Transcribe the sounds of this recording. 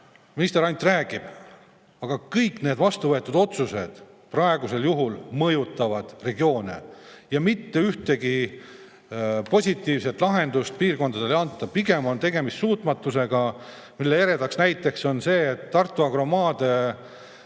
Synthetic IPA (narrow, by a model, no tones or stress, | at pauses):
minist̪e̞ɾɑnʲt̪ˑræːɡ̥ib̥ | ɑɡ̥ɑkɤjkne̞ːd̪vɑst̪uvɤe̞t̪ːˑud̪̥o̞t̪suse̞d̪̥ | prɑe̞ɡuse̞ljuɦulmɤjut̪ˑːɑvɑd̪̥re̞ɡio̞ːnḛjɑmit̪ːe̞yht̪e̞ɡi | po̞sʲit̪ːˑiːvse̞t̪ːˑlɑɦe̞nd̪̥ust̪̚piːrko̞nd̪̥ɑd̪e̞leɑnt̪d̪̥ɑpiɡe̞mo̞nt̪e̞ɡe̞missuːt̪mɑt̪ːˑuseɡ̥ɑ | milːeeɾe̞d̪ɑksnæjt̪ːˑe̞kso̞nse̞ːt̪ːɑrt̪ːˑuɑɡ̥ro̞mɑːd̪̥e̞